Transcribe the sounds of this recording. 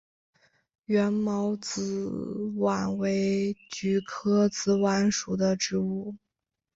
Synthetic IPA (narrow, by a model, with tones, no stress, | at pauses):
ɥɛ˧˥nmɑ˧˥ʊt͡sɹ̩˧˥wa̰˨˩nwe˧˥ɪt͡ɕy˧˥kʰɤ˥t͡sɹ̩˧˥˩wa˧˥nʂu˨˩d̪ə˦ʈ͡ʂɻ̩˧˥u˥˩